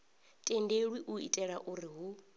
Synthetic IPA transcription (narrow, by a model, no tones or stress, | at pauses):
tʼendeɺwiʔuḭtʼɛɺaʔuɾiɦu